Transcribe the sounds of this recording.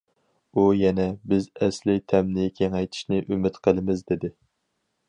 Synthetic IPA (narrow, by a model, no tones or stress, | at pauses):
ujɛnɛbɪzɛslɪt̪ʰɛmnɪkʲʰeŋɛjt̪ʰɪ̥ʃnɪʔymɪt̪qʰəlˠɨmɪzd̪ɪd̪ɪ